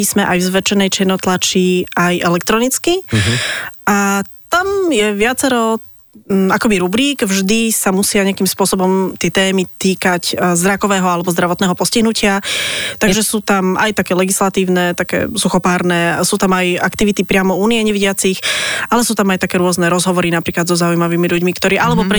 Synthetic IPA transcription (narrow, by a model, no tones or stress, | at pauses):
ismɛʔajvzʋɛt͡ʃɛnɛjt͡ʃjɛnɔt̪lat͡ʃiajʔɛlɛkt̪ɾɔnit͡ski | ʔat̪amjɛʋɪat͡sɛɾɔ | akɔbiɾubɾiːɡvʒd̪isamusɪaɲɛakimspʊɔsɔbɔmt̪ɪɛt̪ɛːmit̪iːkaczd̪ɾakɔʋɛːɦɔalɛbɔzd̪ɾaʋɔt̪nɛːɦɔpɔsciɦnucɪat̪aɡɡʒɛsuːt̪ama̰jt̪akɛːlɛɡislat̪iːʊnɛt̪akɛ̰ːsuxɔpaːɾnɛsuːt̪amajakt̪iʋit̪ipɾɪamɔuːniɛɲɛʋiɟɪat͡sixʔalɛsuːt̪amajt̪akɛːɾʊɔznɛɾɔzɦɔʋɔɾinapɾiːklad̪zɔzaujmaʋiːmiʎuɟmikt̪ɔɾiːʔalɛbɔpɾɛ